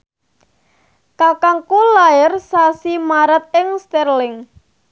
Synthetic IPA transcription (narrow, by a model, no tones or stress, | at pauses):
kakaŋkulaɪrsasimaɾət̪̚ɪŋst̪ɛrlɪŋ